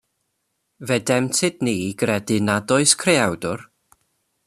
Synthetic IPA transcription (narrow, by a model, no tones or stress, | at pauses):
vɛdɛmtʰɨdniːɡ̥rɛdɪnadɔɨskʰreawdʊr